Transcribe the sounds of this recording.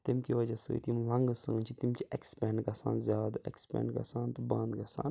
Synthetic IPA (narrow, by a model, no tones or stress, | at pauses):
t̪imkiʋɐd͡ʒɐsɨ̰ːḭt̪imlɐ̃ŋɡɨsə̃ːnt͡ʃʰit̪imt͡ʃʰiekspɛ̃ːɳɖɡɐsãːnzʲjaːd̪ḛkspɛ̰ːɳɖɡɐ̰saːnt̪ubɐ̃nd̪ɡɐsa̰ːn